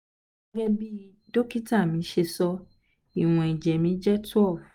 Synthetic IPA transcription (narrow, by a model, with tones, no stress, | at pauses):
ɡɛ˦bi˦ | do˦ki˦ta˦˨mĩ˨˦ʃe˧sɔ˧ | i˨w̃ɔ̃˨i˨d͡ʒɛ˨mĩ˨˦d͡ʒɛ˦tu˦ɔ˦˨